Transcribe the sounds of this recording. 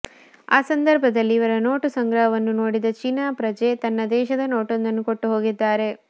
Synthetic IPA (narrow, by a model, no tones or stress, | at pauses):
aːsɐnd̪ɐɾbʱɐd̪ɐlːiːʋɐɾɐno̞ːʈusɐŋɡɾɐɦɐʋɐnːunoːɽid̪ɐt͡ʃiːnaːpɾɐd͡ʒe̞ːt̪ɐnːɐd̪ɛːʃɐd̪ɐno̞ːʈond̪ɐnːukoʈːuɦo̞ːɡid̪ːaːɾe̞